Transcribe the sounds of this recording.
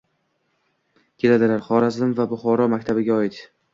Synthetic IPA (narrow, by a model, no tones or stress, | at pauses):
kʲʰe̞lad̪ɪlaɾχɒɾazɪmvabʊχɒɾɒmakʲt̪ʰabɪɡʲaɒɪt̪